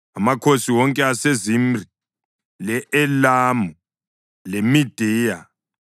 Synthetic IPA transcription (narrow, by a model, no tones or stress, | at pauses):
amakʰosiwɔŋkʼɛasezimri | lɛʔɛlamu | lemid̥ʱiːja